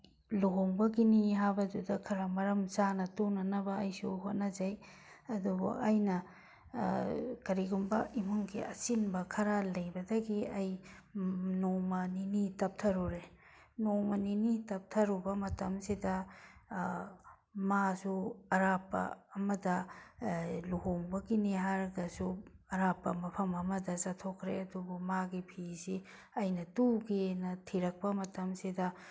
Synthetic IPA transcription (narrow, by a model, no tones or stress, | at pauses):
loɦɔŋbɐɡiniɦabɐd͡ʒudɐkʰɐɾamɐɾɐmt͡ʃanɐtonɐnɐbɐːjsuɦot̚nɐd͡ʒɐj | ɐdubo̰ʔɐjnɐ | kɐɾiɡumbɐ̰imuŋkʰḭʔɐsinbɐkʰɐɾalɐjbɐdɐɡiɐj | nomɐninitɐp̚tʰɐɾuɾe | nomɐninitɐp̚tʰɐɾubɐmɐtɐmsidɐ | masuɐɾapːɐ̰ːmɐdɐ | luɦoŋbɐɡiniɦaɾɡɐsuɐɾapːɐmɐpʰɐmɐmɐdɐsatʰokʰɾeɐdubumaɡipʰisi | ɐjnɐtuɡenɐtʰiɾɐk̚pɐmɐtɐmsidɐ